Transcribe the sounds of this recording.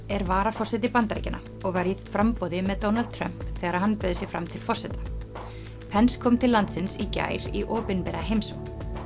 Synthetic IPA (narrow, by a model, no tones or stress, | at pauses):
ɛɾvaːɾafɔr̥sɛt̪̬ɪpant̪ɾḛjcɪnʔa̰ | ɔɣvaɾifɾampɔwðɪmɛðt̪ownald̪̚t̪ʰɾœm̥pθɛːɣaɾaðɦanpœðʏsjɪɣfɾa̰mt̪ʰɪlfɔr̥sɛt̪ḁ | pʰɛnskʰɔːmt̪ʰɪlːant̪sɪnsica̰ːjɾḭʔɔːpɪnpɛɾaɦejmsɔ̰̥